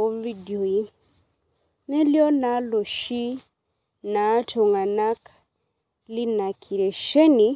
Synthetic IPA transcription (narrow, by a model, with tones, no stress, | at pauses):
o˦vi˦dio˨i˨˦ | ne˦ljo˦na˨˦lo˨ʃi˦ | na˨˦tʰo˨ŋɡa˨na˦k | li˦na˨kʰi˨ɾe˨ʃe˦ni˨